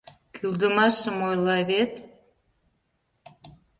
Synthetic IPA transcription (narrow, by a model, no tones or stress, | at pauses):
kʰyld̪ə̆mɑʃəmojlˠɑβet̪